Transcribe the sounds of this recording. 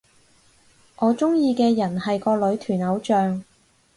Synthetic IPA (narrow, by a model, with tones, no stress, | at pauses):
ʔɔː˨˧t͡ʃʊ˥ŋjiː˧kɛː˧jɐ˨˩nhɐ˨jkɔː˧lɵ˨˥ɥt̪ʰyː˨˩nɐ˨˥wt͡ʃœː˨˧ŋ